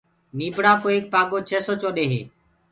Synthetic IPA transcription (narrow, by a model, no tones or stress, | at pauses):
niːbɽaːkoːeːk̚paːɡoːt͡ʃʰeːsoːt͡ʃoːɗeːɦḛː